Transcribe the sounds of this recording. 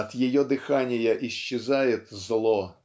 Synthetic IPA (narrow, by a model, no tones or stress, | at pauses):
ɐt̪jɪjɔd̪ɪxanʲɪjɐʔiɕːɪzajɪt̪zlˠɔ